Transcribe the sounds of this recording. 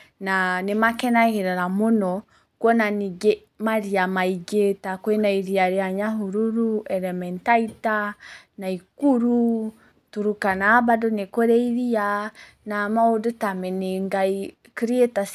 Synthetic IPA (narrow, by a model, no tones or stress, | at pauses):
nanemakɛnaɣeɾaɾamonɔ | kwɔnaniɡe | maɾiamaiɡetakwenaiɾiaɾeaɲaɦuɾuɾuɛlɛmɛntaitanaikuɾu | tuɾukanaːbadonekoɾɛiɾia | namaodotamɛneŋɡai | kɾietas